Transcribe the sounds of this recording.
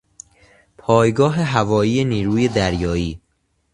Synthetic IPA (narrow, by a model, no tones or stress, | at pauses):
pʰɒːjɡɒːɦe̞ɦævɒːjiːjeniːɾuːje̞d̪æɾjɒːiː